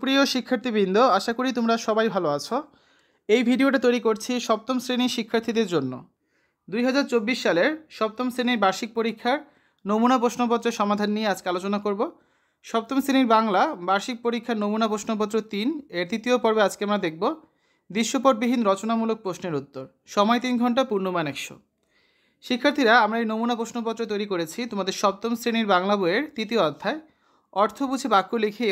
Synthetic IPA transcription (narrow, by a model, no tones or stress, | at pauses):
pɾioʃikʰːaɾt̪ʰibind̪ʱoaʃakoɾit̪omɾaʃɔbajbʱaloat͡ɕʰo | ejbʱiɖioʈat̪ojɾikoɾt͡ɕʰiʃɔp̚t̪omsɾeniʃikʰːaɾt̪ʰid̪eɾd͡ʑonːo̰ | d̪ujɦad͡ʑaɾt͡ɕobːiʃːaleɾʃɔp̚t̪omsɾeniɾbaɾʃik̚poɾikʰːaɾ | nomunapɾoʃnop̬ɔt̪ːɾeɾʃɔmad̪ʱanːijead͡ʑkealot͡ɕonakoɾbo | ʃɔp̚t̪omsɾeniɾbaŋlabaɾʃik̚poɾikʰːaɾnomunap̬oʃnop̬ɔt̪̬ːɾot̪ineɾt̪it̪iopɔɾbead͡ʑkeamɾad̪ek̚ʰbo | d̪ɾiʃːopoʈ̚bibʱinɾɔt͡ɕonamuluk̚pɾosneɾut̪ːoɾ | ʃɔmɔet̪inɡʱɔɳʈ̬apuɾnomanɛkʃo̰ | ʃikʰːaɾt̪ʰiɾaamɾaejnomunapɾoʃnop̬ɔt̪ːɾot̪ojɾikoɾet͡ɕʰit̪omad̪eɾʃɔb̚t̪omsɾiniɾbaŋlabueɾt̪it̪ioɔd̪ʱʰːae | ɔɾt̪ʰobud͡ʑʱʰebakːulekʰi